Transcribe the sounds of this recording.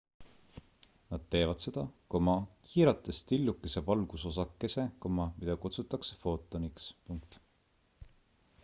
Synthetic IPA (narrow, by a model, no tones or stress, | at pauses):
nɑd̪̥̚t̪e̞ːvɑd̪̥se̞d̪̥ɑkomɑkʰiːɾɑt̪ːˑest̪ilʲːukːˑise̞vɑlɡ̥uso̞sɑkːˑe̞se̞komɑmid̪ɑkut̪sut̪ːˑɑkse̞̥fo̞ːt̪ːˑonikspuŋkt̪